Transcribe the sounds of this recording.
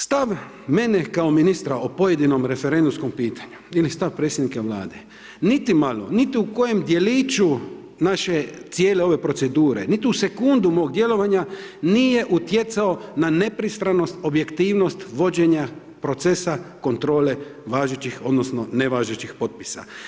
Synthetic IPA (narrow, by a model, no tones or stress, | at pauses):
st̪aʋ | me̞nekaominist̪ɾaopo̞je̞d̪ino̞mɾe̞feɾend̪umsko̞mpiːt̪ḁɲuilist̪aʋpɾe̞ːt̪sjed̪nikaʋla̰ːd̪e̞ | nit̪imalo̰nit̪iuko̞je̞md̪je̞lit͡ʃu | naʃe̞t̪sjeːleo̞ʋe̞pɾo̞tse̞d̪uːɾe̞̰nit̪iuse̞kund̪umo̞ʋoɡ̚d̪je̞lo̞ʋaɲanijeʔut̪je̞t̪sao̞nane̞pɾist̪ɾano̞st̪o̞bje̞kt̪iːʋno̞st̪ʋo̞d͡ʑe̞ɲa | pɾo̞t̪sesako̞nt̪ɾo̞ːle̞ʋaːʒet͡ɕixo̞d̪nosno̞neʋaːʒet͡ɕixpo̞t̪̚pi̥sa̰